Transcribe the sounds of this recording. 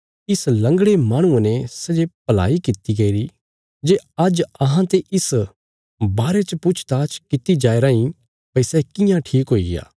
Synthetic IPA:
ɪslɐ̃ŋɡɽemaːɽ̃ũãnɛsɐd͡ʒepɐla̰ːikɪt̪iɡɐiɾi | d͡ʒeɐd͡ʒɐɦãt̪eʔɪs | baːɾet͡ʃəpʊt͡ʃʰt̪aːt͡ʃkɪt̪id͡ʒaːeɾaːĩ | pɐisɛkɪ̃jãʈʰiːkɦoːḭɡɪja̰ː

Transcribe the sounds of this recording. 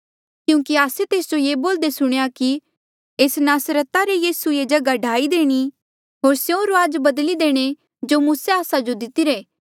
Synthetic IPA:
kjũːkiaːset̪eːsd͡ʒojeːboːld̪esʊɽ̃ejaki | eːsnaːsɾət̪aɾejiːsued͡ʒɐɡaɖʱaːid̪eːɽ̃i | ɦoːɾsjõɾoaːd͡ʒbɐd̪lid̪eːɽ̃e | d͡ʒomʊ̃seaːsad͡ʒod̪ɪt̪iɾeː

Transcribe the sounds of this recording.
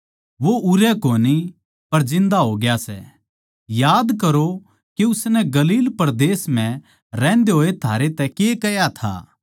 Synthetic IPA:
ʋoʊɾɛkoːni | pɐɾd͡ʒɪ̃nd̪aɦoːɡɪjasɛ̰ | jaːd̪kɐɾo | kiʊsnɛɡɐliːlpɐɾd̪eːsm̤ɛ̃ | ɾɛ̃ːnd̪eɦoːet̪ʰaːɾet̪ɛkekɐjat̪ʰa̰ː

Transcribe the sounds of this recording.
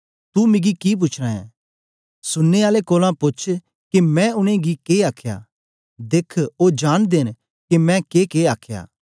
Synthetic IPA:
t̪umɪ̃ɡikip̬ʊt͡ʃʰɾãɛ̰̃ː | sʊnːeaːlekoːlãpʊt͡ʃʰ | kemɛ̃ʊñẽɡikeːaːkʰja̰ː | d̪eːkʰoːd͡ʒaːñd̪eːn | kimɛ̃keːkeːaːkʰja̰ː

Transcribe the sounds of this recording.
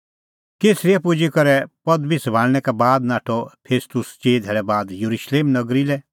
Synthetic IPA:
keːsɾijɛpʊd͡ʒikɐɾɛpɐd̪bʱisbʱaːɽñɛkɛbaːd̪naːʈʰɔpʰeːst̪ʊst͡ʃeːd̪ʱeːɭɛbaːd̪jɐɾuʃleːmnɐɡɾilɛ

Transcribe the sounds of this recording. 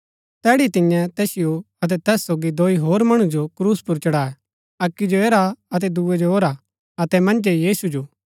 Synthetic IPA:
t̪ɛːɽit̪ɪ̃jɛ̃t̪ɛːsɪjo | ɐt̪̬ɛt̪ɛːsːoːɡid̪oːiɦoːɾmɐɽ̃ud͡ʒokɾuːspʊɾt͡ʃɐɽaːɛ | ɐkːid͡ʒoeːɾaɐt̪̬ɛd̪uːɛd͡ʒoɦoːɾa | ɐt̪ɛmɐ̃nd͡ʒejiːsud͡ʒoː

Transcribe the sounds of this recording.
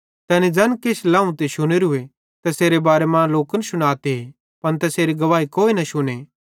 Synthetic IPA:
t̪ɛːnid͡ʒɐnkeslãːũt̪eʃʊñeɾʊe | t̪ɛseːɾebaːɾemãloːkənʃʊɽ̃aːt̪eɦe | pɐnt̪ɛseːɾiɡɐʋaːikoːinɐʃʊñeː

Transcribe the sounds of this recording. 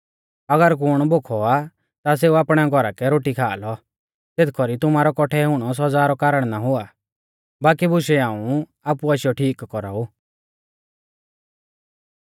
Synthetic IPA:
ɐɡəɾk̬ʊɽ̃bokʰɔa | t̪as̬eːuaːpɽ̃ɛɡʱɔɾakɛɾoːʈikʰa̰ːlɔ | t̪et̪ʰkʰɔɾit̪ʊmaːɾɔkɔʈʰɛɦʊɽ̃ɔs̬ɔd͡zaːɾɔkaːɾəɽ̃naɦʊa | baːkibʊʃɛaːũ | aːpuaʃɪjɔʈʰiːkːɔɾa̰ːuː

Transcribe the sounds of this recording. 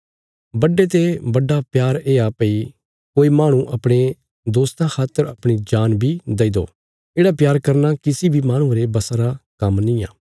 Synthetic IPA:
bɐɖːet̪̬ebɐɖːapjaːɾeːapɐi | koːimaːɽ̃ũʔɐpɽ̃e | d̪oːst̪ãkʰaːt̪ːəɾɐpɽ̃id͡ʒaːnbʱid̪ɐid̪o̰ː | eːɽapjaːɾkɐɾnakɪsibʱimaːɽ̃ũɾebɐsaɾakɐmnĩjã̰ː

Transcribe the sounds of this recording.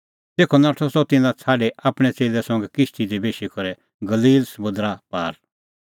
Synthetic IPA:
t̪eːkʰɔnaːʈʰɔsɔt̪ɪ̃nãt͡sʰaːɖɛaːpɽ̃ɛt͡seːlɛsɔ̃ŋɡɛkɪʃt̪id̪ibeːʃikɔɾɛ | ɡɐliːlsɐmʊ̃d̪ɾapaːɾ

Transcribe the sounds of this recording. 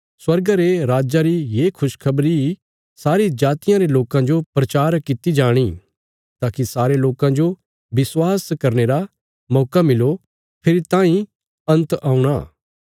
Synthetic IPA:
swɐɾɡaɾeɾaːd͡ʒaɾijeːkʰʊʃkʰɐbɾi | saːɾid͡ʒaːt̪ɪjãɾeloːkãd͡ʒopɾɐt͡ʃaːɾkɪt̪id͡ʒaːɽ̃i | t̪aːkisaːɾeloːkãd͡ʒo | bɪswaːskɐɾneɾa | mɔːkamɪlo | pʰɪɾit̪ãːĩ | ɐ̃nt̪aːũɽ̃aː

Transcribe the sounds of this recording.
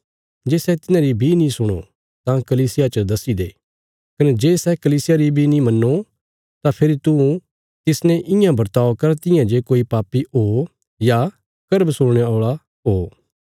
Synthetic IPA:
d͡ʒeːsɛt̪ɪnãɾibʱinĩsʊɽ̃o | t̪ãkɐliːsɪjat͡ʃəd̪ɐsid̪eː | kɐnɛd͡ʒeːsɛkɐliːsɪjaɾibʱinĩmɐnːo | t̪ãpʰɪɾit̪ũ | t̪ɪsnɛ̃ʔɪ̃jãbɐɾt̪aːokɐɾt̪ɪ̃jãd͡ʒeːkoːipaːpːioː | ja | kɐɾbsʊɽɽ̃eoːɭa | ɦoː

